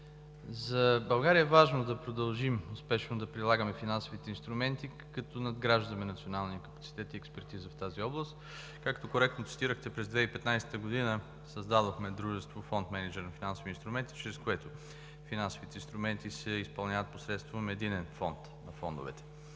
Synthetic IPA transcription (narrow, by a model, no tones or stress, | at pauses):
zɐbɐlˠɡaɾiəɛvaʒnod̪ɐpɾod̪ɐlˠʒimʊspɛʃnod̪ɐpɾilˠaɡəmɛfinansovit̪ɛinst̪ɾʊmɛnt̪i | kɐt̪onɐd̪ɡɾaʒd̪ɐmɛnɐt̪sionalˠniəkəpɐt̪si̥t̪ɛt̪iɛkspɛɾt̪izəft̪aziɔblˠəst̪ | kakt̪okoɾɛkt̪not̪si̥t̪iɾəxt̪ɛpɾɛzd̪vɛipɛt̪najsɛ̥t̪əɡod̪inə | səzd̪ad̪oxmɛd̪ɾuʒɛst̪vofɔnt̪mɛnid͡ʒɛɾnɐfinansoviːnst̪ɾumɛnt̪i̥t͡ʃɾɛskoɛt̪o | finansovit̪ɛinst̪ɾʊmɛnt̪isɛispɐlˠnʲavət̪̚posɾɛt̪st̪vomɛd̪inɛnfɔnt̪ | nɐfɔnd̪ʊ̰vɛ̰t̪ɛ̥